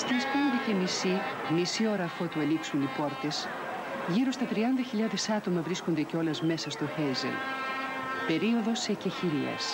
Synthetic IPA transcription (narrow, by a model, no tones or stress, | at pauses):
st̪ispend̪ece̞misimisio̞ɾɐfot̪ueliksunipo̞ɾt̪es | ʝiɾo̞st̪ɐt̪ɾiɐnd̪ɐçiʎɐðe̞sɐt̪o̞mɐvɾiskond̪eceo̞lɐzme̞sɐst̪oxejzḛn | pe̞ɾio̞ðo̞seceçiɾiɐ̰s